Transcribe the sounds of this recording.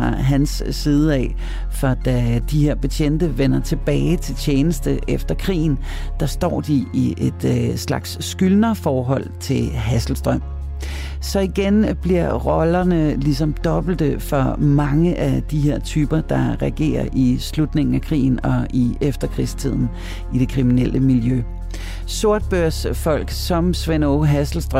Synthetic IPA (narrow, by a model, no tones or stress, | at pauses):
ɑ̈ɦænsːiːð̞ˠəɛ̰ | fɒ̽d̥æd̥ihe̝ɐ̰b̥et͡ɕʰen̰d̥əʋenɐt͡sʰe̝b̥ɛːɪt͡sʰe̝lt͡ɕʰeːnəsd̥əʔefd̥ɐkʰʁḭːn̩d̥ɑ̈sd̥ɒ̰ːd̥iiʔe̝d̥slɑ̈ɡ̥sːɡ̥ylnɐfɒːɦɒ̽l̰t͡sʰe̝lɦæsl̩sd̥ʁœm̰ | sɒ̽iɡ̥enb̥liɐ̰ʁɒ̽lɐnəlisɒ̽md̥ɒ̽b̥l̩d̥əfɒ̽mɑ̈ŋəʔæd̥iɦe̝ɐ̰t͡sʰyːb̥ɐd̥ɑ̈ʁɛɡ̥e̝̰ːɐʔislud̥ne̝ŋn̩ækʰʁḭːn̩ɒ̽ʔiefd̥ɐkʰʁḭst͡sʰið̞̰ˠn̩ | id̥e̝kʰʁiminel̰ʔəmiljø | so̝ɐ̰d̥̚b̥øɐ̰sfɒ̽l̰ɡ̥sɒ̽msʋenoɦæsl̩sd̥ʁ